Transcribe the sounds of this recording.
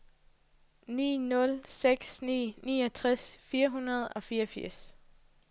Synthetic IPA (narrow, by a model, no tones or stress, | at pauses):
nḭːnɔ̽lseɡ̥snḭːnḭːɒt͡sʰʁɛsfiːɐɦunɐð̞ˠɒ̽fiːɐfiɐ̰s